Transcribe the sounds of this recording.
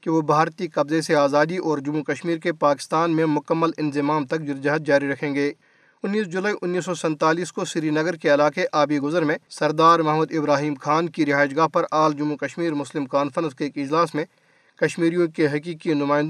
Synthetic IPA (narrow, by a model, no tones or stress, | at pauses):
keʋobʱaːɾt̪ikɐbzeseaːzaːd̪iʔɔːɾd͡ʒʊmːukɐʃmiːɾkepaːkɪ̥st̪aːnmẽmʊkəmːəlɪ̃nzɪmaːmt̪ɐk̚d͡ʒʊɾd͡ʒaɦt̪̚d͡ʒaːɾiɾɐkʰẽːŋɡeː | ʊnːiːs̬d͡ʒʊlaːiʔʊnːiːs̬ːɔsɛ̃nt̪aːliːskosɪɾinɐɡəɾkeɐlaːkeʔaːbiɡʊzəɾmẽsɐɾd̪aːɾmɐɦmud̪ɪbɾaːɦiːmxʰaːnkiɾɪɦaːɪʃɡaːɦpɐɾaːld͡ʒʊmːukɐʃmiːɾmʊslɪmkaːnfəɾə̃nskeeːkɪd͡ʒlaːsmẽ | kɐʃmiːɾijõkeɦɐkiːkinʊmaːɪ̃nd̪